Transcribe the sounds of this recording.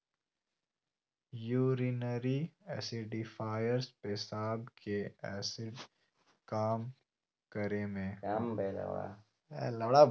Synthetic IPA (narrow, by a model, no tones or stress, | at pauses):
juːɾinəɾiɛːsɪɖɖifaːjəɾspesaːbkeɛ̰ːsɪɖ | kaːm | kəɾemẽːambela̰ɽa̰ | ɛ̰lɐɽa